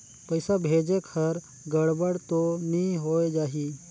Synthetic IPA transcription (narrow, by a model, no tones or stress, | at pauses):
pəɪsabʱeːd͡ʒekʰəɾ | ɡəɽbəɽt̪onĩɦoːed͡ʒaːɦiː